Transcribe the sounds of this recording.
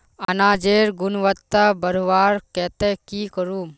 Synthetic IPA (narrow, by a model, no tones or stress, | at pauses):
ɐnaːd͡ʒeːɾɡʊnʋət̪ːabəɾuʋaːɾkɛːt̪ekikəɾuːm